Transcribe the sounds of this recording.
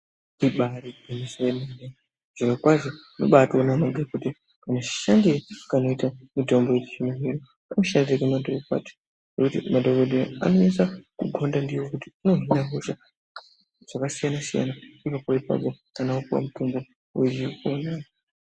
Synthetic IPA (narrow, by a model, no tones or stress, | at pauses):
iɓaɾiemisuwenane | ʐ̥okakwaʐo | no̞̰ɓatonamaɡʱekude | kanat͡ʃi̥ʃandiɾakano̞itamito̞mbojet͡ʃi̥t͡ʃimoɦiɾo | kanoʃandiɾekemadokokwa̰t͡ʃe̥ | nekutimadʱoɡodea̰no̞ɲasakuɡʱondandiwokutiuno̞ɦinaɦuʃa | ʐ̥akasijanasija̰naipapoipa̰ɓo | kanaupuwa̰muto̞mbo̞ | weikonaːjo